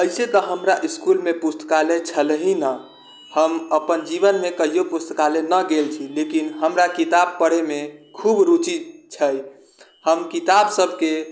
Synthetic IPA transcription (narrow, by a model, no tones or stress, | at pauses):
əɪset̪əɦəmɾaʔiskulmepust̪ə̥kalet͡ʃʰəlɦinə | həməpənd͡ʒiβənmekəɦijopust̪əkalenəɡelt͡ʃʰilekinɦəmɾakit̪ab̚pəɽ̤emekʰubɾut͡ʃit͡ʃʰəj | həmkit̪absəbʱke